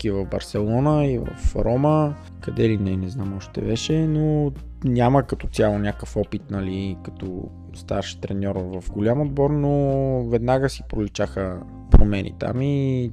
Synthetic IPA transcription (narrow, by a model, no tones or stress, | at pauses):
kivɐvbɐ̰ɾsɛlˠɔnəivə̰fɾɔmə | kɐd̪ɛlinɛnɛznamɔʃt̪ɛ̰vɛʃɛno | nʲaməkɐt̪ɔt̪ʲjalˠonʲakəfɔpit̪nɐlikɐ̥t̪ɔ̰ | st̪a̰ɾʃt̪ɾɛnʲɔɾvɐfɡolʲamod̪̚bɔɾnovɛd̪naɡəsipɾolʲit͡ʃaxə | pɾomɛnʔḭt̪a̰mi